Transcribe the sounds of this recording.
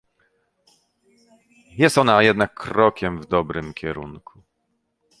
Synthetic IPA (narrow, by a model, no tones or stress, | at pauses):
jɛst̪ɔnajɛd̪nakʰːɾɔkʲɛmvd̪ɔbɾɘmkʲɛɾṵnkʰu